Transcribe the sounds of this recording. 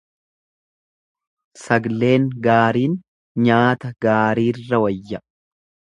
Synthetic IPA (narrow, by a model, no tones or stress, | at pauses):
sɐɡle̞ːŋɡaːɾiːn | ɲaːt̪ɐɡaːɾiːrːɐwɐjːɐ